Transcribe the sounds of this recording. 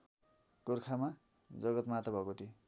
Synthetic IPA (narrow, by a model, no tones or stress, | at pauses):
kurkʰama | d͡zʌɡʌt̪mat̪ʌbʱʌkot̪ʰi